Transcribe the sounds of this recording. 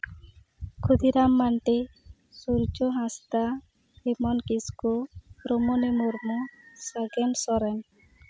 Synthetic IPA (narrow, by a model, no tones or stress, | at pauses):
kʰud̪iɾamːanʈe | suɾd͡ʒɔɦãst̪a | himɔnkiskoɾɔmɔnimuɾmusaɡɛmsɔɾɛn